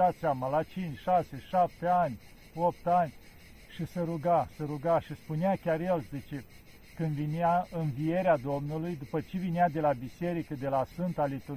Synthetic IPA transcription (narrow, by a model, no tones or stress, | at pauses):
at̪seamalat͡ʃint͡ʃʃase̞ʃap̚t̪eanʲ | op̚t̪anʲ | ʃisəɾuɡasəɾuɡaʃispuneakʲarje̞lzit͡ʃe | kɨnd̪vineaɨnvije̞ɾead̪o̞mnulujd̪upət͡ʃe̞vinead̪e̞labise̞ɾikəd̪e̞lasfɨnt̪alit̪u